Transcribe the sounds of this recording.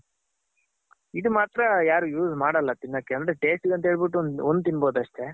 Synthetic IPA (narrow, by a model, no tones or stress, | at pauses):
id̪umaːt̪ɾɐjaːɾuːjuːzmaːɽɐlːɐt̪inːoːkːeɐnd̪ɾe̞ʈe̞ːsʈiɡɐnt̪ɐɦeːɭbiʈːuond̪ut̪inbo̞ːd̪uɐʂʈ̪e̞